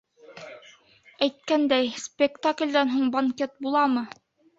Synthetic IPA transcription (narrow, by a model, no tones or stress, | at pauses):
æjt̪̚kænd̪æjspʲekt̪aklʲd̪ænɦuɴbɐŋkʲet̪̚bulˠɑmɤ